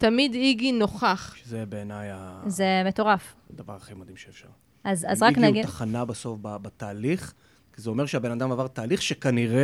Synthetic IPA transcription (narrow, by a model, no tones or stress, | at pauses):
t̪amid̪iɡino̞χaχʃezebeːnajazemeto̞ʁaf | d̪ava̰ʁaχimad̪imʃeːfʃa̰ʁ | ʔaza̰zʁakniaɡitaχanabaso̞fbabat̪aːliχ | kizeo̞meʁʃeabe̞nad̪amavaʁt̪aːliχʃekaniʁe